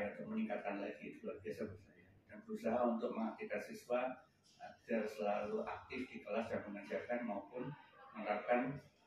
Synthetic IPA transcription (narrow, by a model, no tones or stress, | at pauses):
ut̪ʊk̚məniŋkat̪anlafit̪fulabiasabəsajadanbəɾusaɦaunt̪ʊk̚məŋak̚t̪ikansiswa | at̪ərsəlaluʔa̰k̚t̪ɪfdikəlasjaŋdəŋansiapanmaupʊnməŋɾakan